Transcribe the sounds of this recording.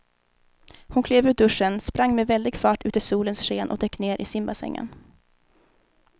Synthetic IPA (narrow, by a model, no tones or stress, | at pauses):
hʊnkʰleːvʉːd̪ɵʂənspɾaŋːmɛvɛld̪ɪɡfɑːʈʉ̟ːt̪əʂuːlənsʂeːnʔɔ̰d̪ɛkːneːɾʔɪsɪmbasɛ̰ŋːə̰n